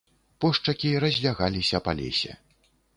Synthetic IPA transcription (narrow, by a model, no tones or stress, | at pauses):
pɔʂt͡ʂɐkʲiɾɐzʲlʲaɣalʲisʲɐpa̰lʲɛ̰sʲɛ̰